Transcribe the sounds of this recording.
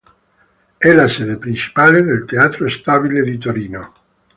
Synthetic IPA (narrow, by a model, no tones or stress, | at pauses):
ɛlasɛðepɾint͡ʃi̥paleðelt̪eat̪ɾoest̪aβiled̪it̪oɾiːno